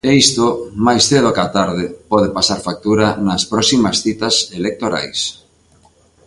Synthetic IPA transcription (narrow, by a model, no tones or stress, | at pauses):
eist̪omajsθeðokat̪aɾðɪpɔð̞ɪpasaɾfak̚t̪uɾɐnɐspɾɔsimɐsθit̪ɐselek̚t̪oɾa̰js